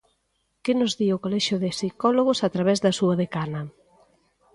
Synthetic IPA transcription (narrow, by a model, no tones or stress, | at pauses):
kɪnʊzðiokolɛʃjʊðɪsikɔloɣ̞ʊsat̪ɾaβ̞ɛzðɐsuɐðekanɐ